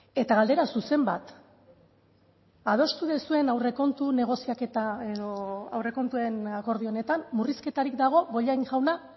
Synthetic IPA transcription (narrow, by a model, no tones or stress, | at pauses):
e̞t̪aɣald̪e̞ɾasuse̞mbat̪ | að̞o̞st̪uðesue̞nawre̞ko̞nt̪une̞ɣ̞o̞siaket̪aeðoawre̞ko̞nt̪uenako̞ɾð̞io̞ne̞t̪amːuriske̞t̪aɾikd̪aɣ̞o̞βo̞ʎajŋʝawna